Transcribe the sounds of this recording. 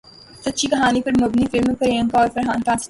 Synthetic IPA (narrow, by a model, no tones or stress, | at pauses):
sɐtːʃʰikɐɦaːnipɐɾmɐbnifɪlmepɐɾejɐ̃ŋkaɔːɾfɐɾɦaːnt̪ãːs